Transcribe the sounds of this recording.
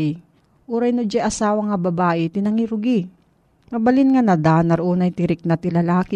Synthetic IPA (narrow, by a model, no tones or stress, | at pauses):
ʔuːɾɐjnʊd͡ʒaʔɐsaːwɐŋːɐbɐbaːʔɪt̪ɪnɐŋiɾʊɡɪ | mɐbɐlɪnŋanɐd̪aːnɐɾʔuːnɐjt̪ɪɾɪk̚nɐt̪ɪlɐlaːkɪ